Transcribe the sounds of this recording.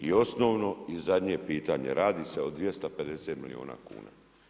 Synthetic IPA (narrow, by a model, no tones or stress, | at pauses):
io̞snoːʋno̞izad̪ɲepiːt̪aɲḛɾʔaːd̪iseod̪ʋjest̪ape̞d̪eset̪milḭo̰ːna̰ːkṵːna̰